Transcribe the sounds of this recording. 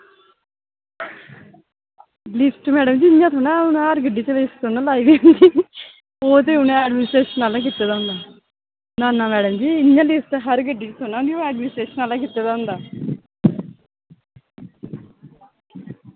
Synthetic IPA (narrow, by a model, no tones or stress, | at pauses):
lɪsʈmɛːɖəmd͡ʒiːɪɲjãːt̪ʰoːnaːʊnːɦəɾɡəɖiːt͡ʃlɪsʈt̪ʰoːnãːlaːiːd̪iʊ̃nd̪iː | oːt̪̬eːʊnẽɛːɖmɪːɪsʈɾeːʃənaːlãːk̬ɪt̪ːeːd̪aːʊnd̪aː | naːnːaːmɛːɖəmd͡ʒiːɪnjãːlɪsʈɦəɾɡəɖiːt͡ʃət̪ʰoːnãːd̪ioɛːɖmɪnsʈɾeːʃənaːlãːkɪt̪ːeːd̪ãːʊ̃nd̪aː